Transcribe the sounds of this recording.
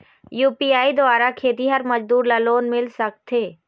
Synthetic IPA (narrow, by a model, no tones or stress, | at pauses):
juːpiːaːid̪ʊaːɾakʰeːt̪iɦɐɾmɐd͡ʒd̪uːɾlaloːnmɪlsɐk̚t̪ʰeː